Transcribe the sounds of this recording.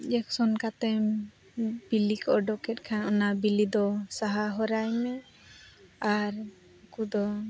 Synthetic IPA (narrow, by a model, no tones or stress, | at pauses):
d͡ʒɛksɔnkat̪ɛm | bilikʰɔɖɔkɛt̚ˀkʰanɔnabilid̪ɔsaɦaɦɔɾajmɛ | aɾ | kud̪ɔ